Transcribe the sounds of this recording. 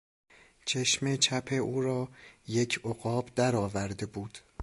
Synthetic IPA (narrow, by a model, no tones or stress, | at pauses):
t͡ʃʰeʃmet͡ʃʰæpʰeʔuːɾɒːje̞cʰoɣɒːbd̪æɾɒːvæɾd̪e̞buːd̪̥